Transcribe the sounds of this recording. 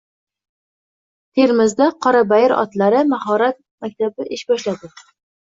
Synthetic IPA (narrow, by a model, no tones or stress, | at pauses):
t̪ʰeɾmɪzd̪aqʰɒɾabajɪɾɒ̰t̪laɾɪmahɒɾat̪̚ | mak̚ʲt̪ʰabɪʔɪʃbɒʃlad̪ɪ